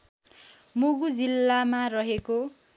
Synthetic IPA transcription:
moɡud͡zilːamarʌɦeko

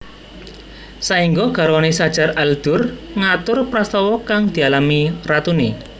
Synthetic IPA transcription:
saiŋɡoɡ̥a̤ɾwanesad̥ʒ̥a̤ɾald̪̥ʊ̤rŋat̪ʊrpɾast̪ɔwɔkaŋd̪̥i̤alamirat̪une

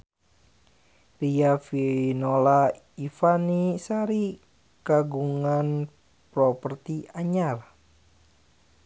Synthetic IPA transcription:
riafinola | ifanisaɾi | kaɡuŋan | pɾɔpərt̪iaɲar

